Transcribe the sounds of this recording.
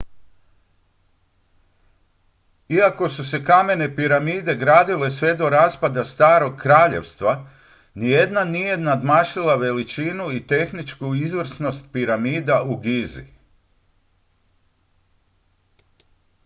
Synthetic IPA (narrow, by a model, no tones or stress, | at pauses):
iako̞suse̞kame̞ne̞piɾamiːd̪e̞ɡɾaːd̪ile̞sʋe̞d̪o̞ɾaːspad̪ast̪aːɾo̞ɡkɾaːʎe̞̰ʋst̪ʋa | nije̞d̪nanije̞nad̪maːʃilˠaʋe̞lit͡ʃiːnuit̪e̞xnit͡ʃkuizʋr̩sno̞st̪̚piɾamiːd̪auɡizḭ